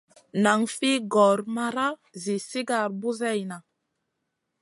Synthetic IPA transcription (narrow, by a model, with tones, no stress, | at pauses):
na˨ŋfi˦ɡɔ˨ɾma˦ɾa˦zi˨si˦ɡa˨ɾbu˦zɛ˦˨jna˨